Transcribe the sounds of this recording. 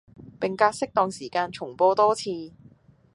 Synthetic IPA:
pɪ˨ŋkaː˧t̚sɪ˥k̚t̪ɔː˨˧ŋsiː˨˩kaː˧nt͡ʃʰʊ˨˩ŋpoː˧t̪ɔː˥t͡sʰiː˧

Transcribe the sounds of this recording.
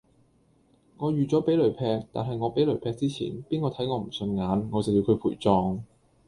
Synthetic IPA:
ŋɔː˨˧jyː˨t͡sɔː˨˥pe˨˥jlɵ˨˩ɥpʰɛː˧k̚t̪a̰ː˨nɦɐ˨jŋɔː˨˧pe˨˥lɵ˨˩ɥpʰɛː˧k̚t͡siː˥t͡sʰḭː˨˩npiː˥nkɔː˨˧t̪ʰɐ˨˥jŋɔː˨˧m̩˨˩sɵ˧nŋaː˨˧˥nŋɔː˨˧t͡sɐ˨˩wji˧kʰɵ˨˧ɥpʰuː˨˩jt͡sɔː˧ŋ

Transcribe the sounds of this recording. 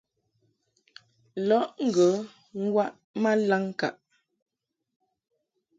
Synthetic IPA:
lɔ˦ʔŋ̩˦˨ɡə˨˦ | ŋ̩˦ɡwa˦ʔ | ma˦la˦ŋka˨ʔ

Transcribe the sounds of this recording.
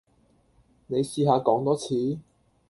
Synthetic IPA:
ne˨˧jsiː˧ɦaː˨˧kɔː˨˥ŋt̪ɔː˥t͡sʰiː˨˥

